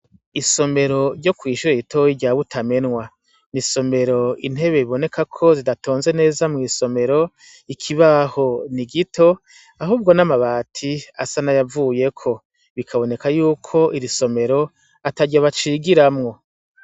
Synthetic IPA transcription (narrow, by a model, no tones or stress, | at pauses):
iso̞me̞ɾo̞ɾɟo̞kwiːʃuɾeitoiɟaβutʰame̞nŋwa | niso̞me̞ɾo̞in̥he̞βe̞βiβo̞ne̞kʰakʰo̞zidatʰo̞ːnze̞ne̞ːzamŋiːso̞me̞ɾo̞ | ikʰiβaho̞niɡitʰo̞ | aɦuːb̚ɡo̞namaβaːtʰia̰sanajavuːje̞kʰo̞ | βikʰaβo̞ne̞kajuːkʰo̞ʔiɾiso̞me̞ɾo̞ | ataɟaβat͡ʃiɡiɾamŋo̞